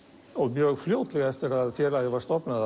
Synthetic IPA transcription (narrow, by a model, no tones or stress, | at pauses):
ɔɣmjœːɣfljoːwt̪lɛɣɛft̪ɪɾaðfjɛːɾlaðɪvaɾ̥st̪ɔpnað